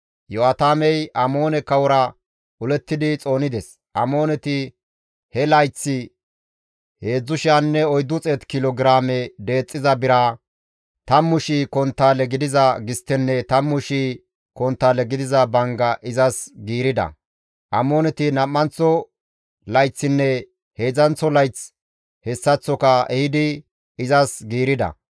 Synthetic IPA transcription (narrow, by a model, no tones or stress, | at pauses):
jɔat̪aːmɛjɐmo̞ːnɛkɐwɔɾɐ | ʔʊlɛt̪ːɪd̪ɪt͡sʼo̞ːnɪd̪ɛs | ʔɐmo̞ːnɛt̪ɪ | hɛlɐjt͡sːɪ | he̞ːd͡zːʊʃɪanːɛɔjd̪ːʊt͡sʼɛt̪kɪlɔɡɪɾaːmɛd̪e̞ːt͡sʼːɪzɐbɪɾa | t̪ɐmːʊʃiːkɔnt̪ːaːlɛɡɪd̪ɪzɐɡɪst̪ːɛnːɛt̪ɐmːʊʃiː | kɔnt̪ːaːlɛɡɪd̪ɪzɐbɐŋɡɐʔɪzɐsɡiːɾɪd̪ɐ̰ | ʔɐmoːnɛt̪ɪnɐmːɐnt͡sːɔ | lɐjt͡sːɪnːɛ | he̞ːd͡zɐnt͡sːɔlɐjt͡s | hɛsːɐt͡sːɔkɐɛhɪd̪ɪ | ɪzɐsɡiːɾɪd̪ɐ̰